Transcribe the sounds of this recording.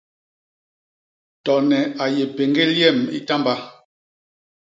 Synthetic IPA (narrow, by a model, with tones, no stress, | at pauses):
tɔ˨nɛ˨a˨je˨pe˨ŋɡe˦ljɛ˦˨mḭ˦ta˦mba˦